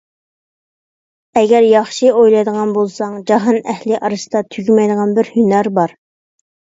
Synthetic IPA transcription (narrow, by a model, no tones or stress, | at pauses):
ɛɡʲɛɾjɑχʃiojlˠɑjd̪əʁɑnbolˠsɑŋd͡ʒɑɦɑnɛhlɪʔɑɾɨsd̪ɑt̪ʰyɡʲimɛjd̪əʁɑnbɪɾhynæɾbɑɾ